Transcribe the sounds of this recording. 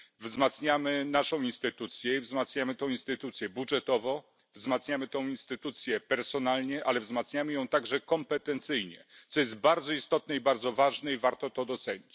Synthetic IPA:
vzmat̪sɲamɘnaʂɔ̃w̃inst̪ɘt̪ut̪sʲjɛivzmat̪sɲamɘt̪ɔ̃w̃inst̪ɘt̪ut̪sʲjɛbudʐɛt̪ɔvɔ | vzmat̪sɲamɘt̪ɔ̃w̃inst̪ɘt̪ut̪sʲjɛpɛɾsɔnalɲɛʔalɛvzmat̪sɲamɘjɔ̃w̃t̪aɡʐɛkɔmpɛt̪ɛnt̪sɘjɲɛ̰t̪sɔjɛst̪̚baɾd̪zɔist̪ɔt̪̚nɛibaɾd̪zɔvaʐnɛivaɾt̪ɔt̪ɔd̪ɔt̪sɛɲit͡ɕ

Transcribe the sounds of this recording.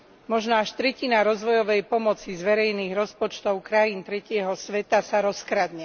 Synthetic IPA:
mɔʒnɔaʃt̪ɾɛcinaɾɔzʋɔjɔʋɛjpɔmɔt͡sizʋɛɾɛjniːɣɾɔspɔt͡ʃt̪ɔʊkɾajiːnt̪ɾɛcɪɛɦɔsʋɛt̪asaɾɔskɾad̪ɲɛ

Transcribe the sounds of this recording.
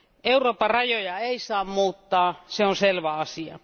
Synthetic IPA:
euroːpɑrɑjojɑeisɑːmmuːt̪ːɑːseonselʋæɑsiɑ̰

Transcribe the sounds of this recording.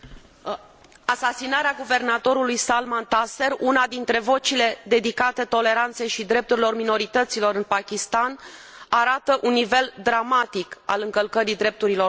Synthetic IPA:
asasinaɾeaɡuve̞rnat̪o̞ɾulujsalmant̪ase̞runad̪int̪ɾe̞vo̞t͡ʃile̞d̪e̞d̪ikat̪e̞t̪o̞le̞ɾant̪se̞jʃid̪ɾe̞p̚t̪uɾilo̞rmino̞ɾit̪ət̪silo̞ɾɨnpakʲist̪an | aɾat̪əʔunːive̞ld̪ɾamat̪ika̰lɨŋkəlkəɾid̪ɾe̞p̚t̪uɾilo̞

